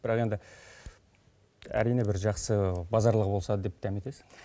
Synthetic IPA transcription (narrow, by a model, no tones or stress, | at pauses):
b̥ɪɾɑqe̞nd̪ɪ | æ̰ɾijnebɪɾʒɑqsəbɑzɑɾlˠəqbo̞lˠsɑd̪əd̪e̞p̚d̪ʰæmet̪e̞sɪ̥ŋ